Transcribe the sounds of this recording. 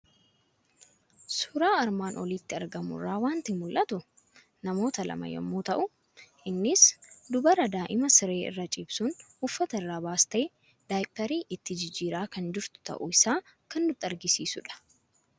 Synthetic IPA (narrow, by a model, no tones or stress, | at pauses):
sʊɾaːɐɾmaːnʔɔ̰liːt̪ːɪɐɾɡɐmʊ̰rːaːwaːnt̪ɪmʊlʔɐt̪ʊ | nɐmo̞ːt̪ɐlɐ̰mɐ̰jɛ̰mːuːt̪ɐʔʊ | ʔɪnːɪsd̪ʊbɐɾɐd̪aːʔɪmɐsɪɾe̞ːɪ̰rːɐt͡ʃʼɪbsʊnʊfːɐt̪ɐrːaːbaːst̪ɐe | d̪̥aːjpʼːɐɾiːʔɪt̪ːɪd͡ʒɪd͡ʒːiːɾaːkɐnd͡ʒɪɾt̪ʊ̥t̪ɐ̰ʔʊɪsaːkɐndʊt̪ːɐɾɡɪsiːsʊᶑɐ̥